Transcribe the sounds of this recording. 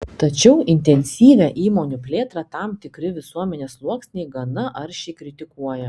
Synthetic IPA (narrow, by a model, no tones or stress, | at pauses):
t̪ɐt͡ʃʲɛʊʔɪnʲt̪ʲɛnʲsʲiːʋʲæʔiːmoːnʲupʲlʲeːt̪ɾɑt̪ɑmt̪ʲɪkɾʲɪʋʲɪsuɔmʲɛnʲeːslˠuɔksʲnʲɛɪɡɐnɐɐɾʃʲɛɪkɾʲɪt̪ʲɪkuɔjɛ